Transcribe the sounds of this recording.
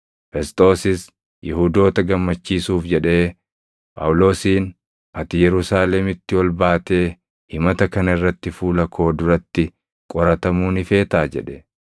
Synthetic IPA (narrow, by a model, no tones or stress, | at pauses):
fɛst̪ʼo̞ːsɪs | jɪhud̪o̞ːt̪ɐɡɐmːɐt͡ʃːiːsuːfd͡ʒɛᶑe̞ː | pʼɐ̰wʊlo̞ːsiːn | ʔɐt̪ɪjɛɾʊsaːlɛmɪt̪ːɪwɐlbaːt̪e̞ː | hɪmɐt̪ɐkɐnɐɪrːɐt̪ːɪfuːlɐkʰo̞ːd̪ʊɾɐt̪ːɪ | kʼɔɾɐt̪ɐmuːnɪfe̞ːt̪aːd͡ʒɛ̰ᶑɛ̥